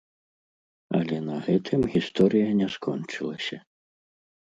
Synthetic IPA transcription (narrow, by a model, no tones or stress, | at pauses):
ɐ̰lʲɛnɐɣɛt̪ʰɨmɣʲist̪ɔɾɨjɐnʲɛskɔnt͡ʂɨlˠɐsʲɐ